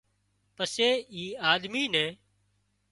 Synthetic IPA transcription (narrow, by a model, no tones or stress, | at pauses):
pəseːiːaːd̪miːnɛ̃ː